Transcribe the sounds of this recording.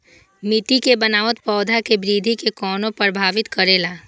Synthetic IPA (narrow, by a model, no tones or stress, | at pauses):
mɪt̪ikebɐnaːʋt̪pɔːd̪ʱakebɾiːd̪ʱikekɔːnõpəɾbʱaːʋɪt̪kɐɾeːlaː